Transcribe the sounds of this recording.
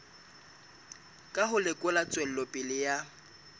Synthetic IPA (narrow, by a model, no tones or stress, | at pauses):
kʼaɦʊlɪkʼʊlat͡sʼwel̩lɔpʼɪlɪja